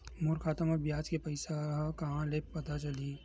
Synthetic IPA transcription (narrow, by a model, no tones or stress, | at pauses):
mʊɾkʰaːt̪əmɔɾbjaːd͡ʒkepɐɪsakɐɦãleːppɐt̪at͡ʃɐli